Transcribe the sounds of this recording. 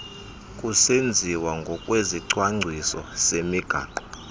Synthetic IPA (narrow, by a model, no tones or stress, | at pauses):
kʼusend͡zʱiwaŋɡʱɔkʼweziǀwaŋ͡ǀʱisɔ̰semiɡ̥ʱa̰ːǃɔ